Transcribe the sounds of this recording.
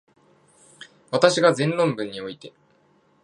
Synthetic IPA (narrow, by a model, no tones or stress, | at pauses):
βat̪aɕiɡazẽ̞nɾõ̞mbɯ̟̃ɲ̟ːio̞it̪e̞